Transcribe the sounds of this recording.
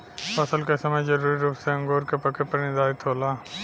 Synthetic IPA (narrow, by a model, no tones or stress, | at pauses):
pəsəlkesəməjzəɾuːɾiɾuːpseə̃ŋɡoːɾkepəkepəɾnɪd̪aːɪt̪ʰɦoːlaː